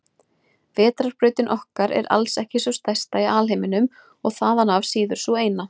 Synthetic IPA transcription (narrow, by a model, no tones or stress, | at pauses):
vɛːt̪ɾaɾ̥pɾʏɥt̪ɪnʔɔhkaɾɛ̰ɾa̰lsɛhcɪsœst̪ajst̪aiaːlɦejmɪnʏm | ɔɣθaːðanavsiːðʏɾ̥sueːjna